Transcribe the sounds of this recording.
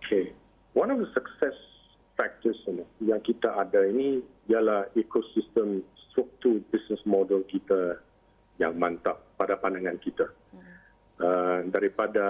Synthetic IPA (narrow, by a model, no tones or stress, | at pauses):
okʰe | wanɔfd̪əsəksɛs | fɛk̚t̪əsinijaŋkit̪aʔadaini | ialahekosist̪ə̃mst̪ɾuk̚t̪ubisnəsmɔdəlkit̪a | jaŋmãnt̪aʔ̚padapandaŋãnkit̪a | ədaɾipada